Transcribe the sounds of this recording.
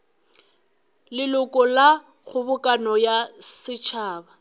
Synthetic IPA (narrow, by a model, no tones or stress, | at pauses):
lɪlʊkʼɔla | ɣʊbʊkʼanɔjasɪt͡ʃʰaːba